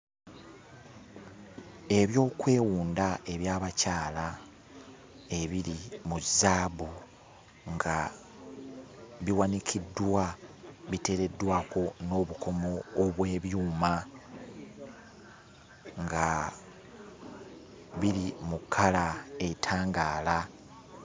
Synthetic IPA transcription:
e̞βjo̞ːkwe̞ːwuːndae̞βjaːβacaːla | e̞βiɾimuzːaːβu | ŋɡa | βiwanikʰidːwaβite̞ɾe̞dːwaːko̞no̞ːβukʰo̞mo̞ːβwe̞ːβjuːma | ŋɡa | βilimukʰːalae̞tʰaːŋɡaːla

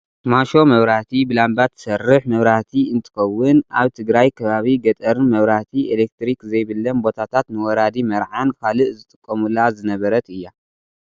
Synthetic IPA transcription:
t̪maʃo̞mɐβɾaht̪ʰibɨlambat̪ʰːɨ̥sɐrːɨħmɐβɾat̪ʰiɨnt̪ʰɨ̥xɐwːʊnaβt̪ʰɨɡɾajkʰɐβaβiɡɐt̪ʼɐɾnmɐβɾat̪ʰielek̚t̪ɾikzɐjβɨlːɐmbo̞t̪ʰat̪ʰat̪nɨwɔɾad̪imɐɾʕankʰalɨʔzɨt̪ʼɨkʼːɐmulazɨnɐβɐɾɐt̪ɨjːa

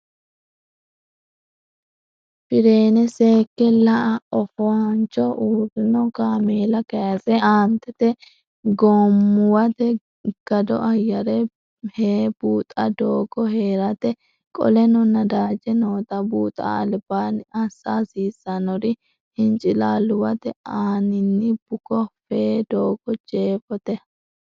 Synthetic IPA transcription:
pɪɾe̞ːnɛse̞ːkːɛlɐʔɐɔfɔɐnt͡ʃːɔʔuːɾɪnɔkaːmeːlɐkɐjɐsɛaːnt̪ɛt̪ɛ | ɡoːmːʊwɐt̪ɛ | ɡ̥ɐd̪ɔ̰ʔɐjːɐɾɛ | heːb̥uːt̪ʼɐd̪oːɡɔheːɾɐt̪ɛ | kʼɔ̰lɛnɔnɐd̪aːd͡ʒɛnoːt̪ɐbuːt̪ʼa̰ːlbaːnɐsːaːsiːsːɐnɔɾɪ | hɪnt͡ʃʼɪlaːlʊwɐt̪ɛaːnɪnːɪb̥ʊkɔfeːd̪oːɡɔd͡ʒeːfɔt̪ɛ

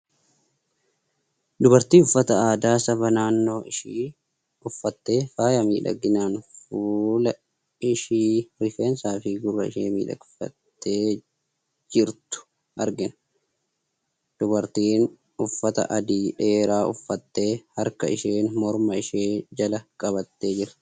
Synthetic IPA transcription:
d̪ʊbɐɾt̪iːʊfːɐt̪ɐaːd̪aːsɐbɐnaːnːo̞ːʔɪʃiː | ʊfːɐt̪ːe̞ːfaːjɐmḭːᶑɐ̰ɡɪnaːnfuːlɐ | ɪʃiːɾɪfe̞ːnsaːfɪɡʊrːɐɪʃḛːmḭːᶑɐ̰ɡɪfɐ̰t̪ːeː | d͡ʒɪɾt̪ʊ̥ | ʔɐɾɡɪnɐ | d̪̥ʊbɐɾt̪iːn | ʊfːɐt̪ɐ̰ʔɐd̪iːᶑe̞ːɾaːʊ̰fːɐt̪ːe̞ːhɐɾkɐ̰ɪʃeːnmɔɾmɐɪʃeːd͡ʒɐlɐkʼɐβɐt̪ːe̞ːd͡ʒɪɾɐ̥

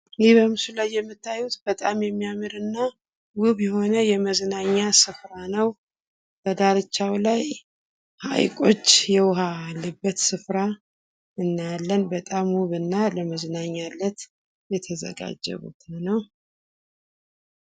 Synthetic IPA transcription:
jɪhbəmɨsulajːɛmːɨt̪ʰːajːut̪bət̪ʼamjɛmːijamɨɾɨnːa | wʊβjɛho̞nəjɛməznaɲːasɨfɾanəw | b̥əd̪aɾɨt͡ʃːawlaj | ha̰jkʼo̞t͡ʃːjɛwʊɦalːɨbːət̪sɨfɾa | ɨnːalːənbət̪ʼamwuβɨnːaləməznaɲːalːət̪ | jɛt̪ʰəzə̰ɡa̰d͡ʒːə̰βṵt̪nəw

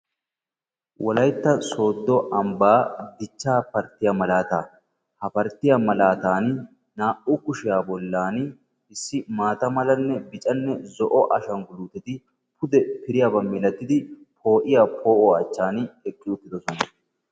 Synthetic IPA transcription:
wʔɔlɐjt̪ːɐso̞ːd̪ːɔʔɐmbaːd̪ɪt͡ʃːaːpɐɾt̪ːɪjɐmɐlaːt̪aː | hɐpɐɾt̪ɪjɐmɐlaːt̪aːn | naːʔʊkʊʃɪjaːbɔlːaːn | ɪsːɪmaːt̪ɐmɐlɐnːɛbɪt͡ʃʼɐnːɛzɔʔɔʔɐʃɐŋɡʊluːt̪ːɛt̪ɪ | pʊd̪ɛpɪɾɪjabɐmːilɐt̪ːɪd̪ɪpʰo̞ːʔɪjapʰo̞ːʔɔɐt͡ʃːaːnɛkʼːɪʊt̪ːɪd̪ɔsɔnɐ

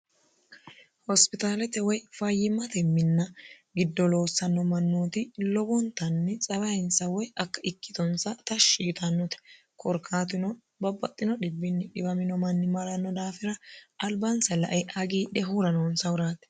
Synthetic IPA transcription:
hɔspɪt̪aːlɛt̪ɛwɔjfɐjːɪmɐt̪ɛmːɪnːɐ | ɡɪd̪ːɔlo̞ːsːɐnːɔmɐnːoːt̪ɪlɔbɔnt̪ɐnːɛt͡sʼɐbɐɪnsɐwɔjʔɐkːɐɪkːɪ̥t̪ɔnsɐt̪ɐʃːiːt̪ʰɐnːɔt̪ɛ̥ | kɔɾkʰaːt̪ɪnɔ | bɐbːɐt̪ʼːɪnɔɗɪbːɪnːɪɗɪbɐmɪnɔmɐnːɪmɐɾɐnːɔd̪aːfɪɾɐʔɐlbɐnsɐlɐʔɐjɐɡiːᶑɛɦuɾɐnoːnsɐwʊɾaːt̪ɛ̥

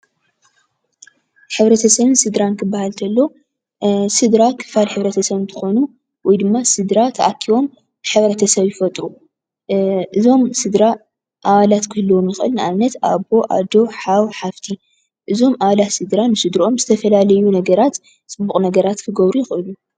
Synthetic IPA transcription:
ħɨβɾɐt̪ʰɐsɐβɨnsɨd̪ɾankʰɨbːahalt̪ʰɐlːo | sɨd̪ɾakʰɨ̥falħɨβɾɐt̪ʰɐsɐβnt̪ʰɨ̥xo̞nu | wɔjd̪ɨmːasɨd̪ɾat̪ʰɐʔakʰːiβo̞m | ɨħɨβɾɐt̪ʰɐsɐβjɪfɐt̪ʼɾu | ʔɨzo̞msɨd̪ɾa | ʔaβalat̪kʰɨhɨlːwo̞mjɪxʔɨlnɨʔanːɐt̪ʔa̰bo̞ʔa̰d̪o̞ħawħaft̪ʰi | ʔɨzo̞maβalat̪sɨd̪ɾanːɨsɨd̪ɾiʔo̞mzɨt̪ʰɐfɐlalɐjunɐɡɐɾat̪ | sʼɨbːuχʼnɐɡɐɾat̪kʰɨɡɐβɾujɪxʔɨlu

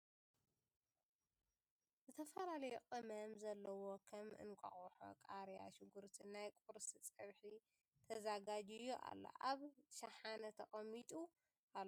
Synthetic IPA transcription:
zɨt̪ʰɐfɐlalɐjoʔʼɨmɐmzɐlːɐwokʰɐmʔɨ̰nkʷʼɐ̰χʼuħo̰kʼaɾja̰ʃɪɡuɾt̪ʰinajkʼuɾsit͡sʼɐβħi | t̪ʰɐzaɡad͡ʒijoʔa̰lːo̰ʔaβʃɐħanɐt̪ʰɐχʼɐmːit̪ʼu | ʔal

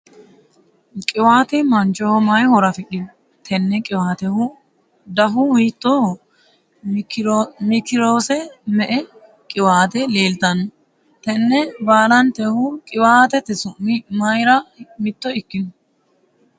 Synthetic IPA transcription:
kʼɪwaːt̪ɛmɐnt͡ʃːɔhɔmɐjhɔɾɐfɪɗɪn | t̪ʰɛnːɛkʼɪwaːt̪ɛhʊ | d̪ɐɦʊwit̪ːɔ | mɪkɪɾoːsɛmɛʔɛ | kʼɪwaːt̪ɛleːlt̪ɐnɔ | t̪ɛnːɛbaːlɐnt̪ɛhʊkʼɪwaːt̪ɛt̪ɛsʊmɐjɾɐmɪt̪ːɔɪkːɪnʊ

